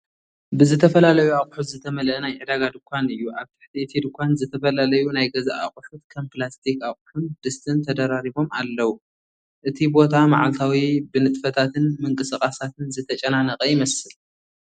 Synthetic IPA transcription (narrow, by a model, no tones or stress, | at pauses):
bɨzɨt̪ʰɐfɐlalɐjuaqʼħut̪zɨt̪ʰɐmɐlʔɐnajʕɨd̪aɡad̪ɨkʷʰːanɨjːuʔaβt̪ʰɨ̥ħt̪ʰiɨt̪ʰid̪ɨkʷanzɨt̪ʰɐfɐlalɐjunajɡɐzaʔa̰χʼħut̪̚kʰɐmplast̪ʰikaχʼħund̪̥ɨst̪ʰɨnt̪ʰɐd̪ɐɾaɾibo̞ma̰lːɐwu | ʔɨt̪ʰibo̞t̪ʰama̰ʕalt̪ʰawibɨnɨt̪ʼfɐt̪ʰat̪ʰɨnmɨŋkʼɨsɨkʼasat̪ʰɨnzɨt̪ʰɐt͡ʃʼɐnanɐqʼɐjɪmɐsɨl